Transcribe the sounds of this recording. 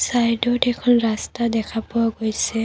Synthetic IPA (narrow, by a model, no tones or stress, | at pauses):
sajdɔtɛkʰɔnɹastadɛkʰapʊaɡojsɛ